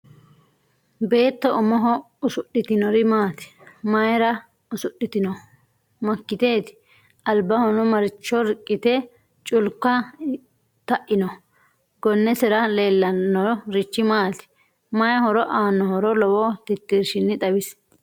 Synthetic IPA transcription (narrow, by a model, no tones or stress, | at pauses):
be̞ːt̪ːɔʔɔmɔɦɔ | ʊsʊɗːɪt̪ɪnɔɾɪmaːt̪ɪ̥mɐjɾɐ | ʊsʊɗːɪt̪ɪnɔ | mɐkːɪt̪eːt̪ɪ̥ | ɐlbɐhɔnɔmɐɾɪt͡ʃːɔɾkʼːɪt̪ɛ | t͡ʃʼʊlkːɐ | t̪ɐʔɪnɔ | ɡɔnːɛsɛɾɐle̞ːlːɐnːɔɾɔɾɪt͡ʃːɪmaːt̪ɪ̥ | mɐjhɔɾɔʔaːnːɔhɔɾɔlɔwɔt̪ɪt̪ːiɾʃɪnːɪt̪ɐwɪs